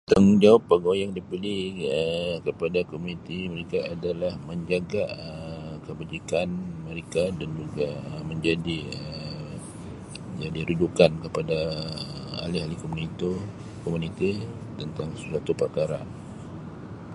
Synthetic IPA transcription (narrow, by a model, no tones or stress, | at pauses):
t̪aŋd͡ʒawapːaɡojaŋdipiliəkəpadakomunit̪iməɾekaʔːdalahməɲd͡ʒaɡaəkəbad͡ʒikanməɾekadand͡ʒuɡaəməɲd͡ʒadiə | əd͡ʒadiɾud͡ʒukankəpadaəa̰liɦalikomunit̪u | komunit̪i | t̪ənt̪aŋsəsat̪upəkaɾa